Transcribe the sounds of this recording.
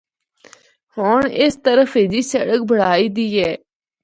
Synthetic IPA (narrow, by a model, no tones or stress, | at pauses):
hoːɳɪst̪əɾəfʰeːd͡ʒiːsəɽək̚bʱəɽ̤aːiːd̪iːɦɛː